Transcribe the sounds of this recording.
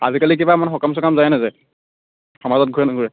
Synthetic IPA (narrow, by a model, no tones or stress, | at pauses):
a̰zikalik̬ibamanxɔkams̬ɔkamzajɛnɛzɛ | xamazɔt̚ɡʱuɹɛnɡʱuɹɛ